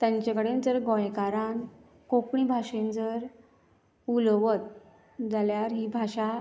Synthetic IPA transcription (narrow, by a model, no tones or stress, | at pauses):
t̪jaɲt͡ɕakəɽend͡zəɾɡõjkaɾan | kokɳiːbʱaɕend͡zəɾ | ulʋət̪̚ | d͡zaljaɾɦiːbʱaʂa